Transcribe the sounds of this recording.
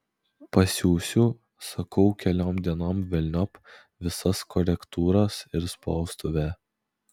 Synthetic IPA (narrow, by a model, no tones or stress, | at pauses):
pɐsʲuːsʲʊ | sɐkɐʊkʲɛlʲoːmd̪ʲiɛnoːmʋʲɛlʲnʲɔp | ʋʲɪsɐskɔɾʲɛkt̪uːɾɐsɪɾspɔʊst̪oʋʲɛː